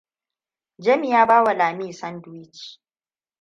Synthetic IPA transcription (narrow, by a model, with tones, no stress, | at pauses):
d͡ʒɐ˦mi˨jaː˦baː˦wa˨laː˨miː˦˨sɐ˦ndwi˦t͡ʃ